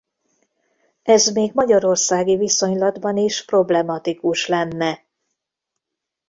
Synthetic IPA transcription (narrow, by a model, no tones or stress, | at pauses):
ɛzmeːɡmɒɟɒɾo̞rsaːɡiviso̞ɲlɒd̪bɒniʃpro̞blɛmɒt̪ikuʃlɛnːɛ